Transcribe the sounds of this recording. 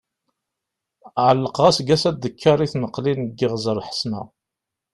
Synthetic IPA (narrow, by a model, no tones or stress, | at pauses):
ʕəlːəqʁæsɡæsæd̪ːəkʰːɑɾˤiθnəqlinəɡːɪʁzˤəɾˤħə̥smæ̰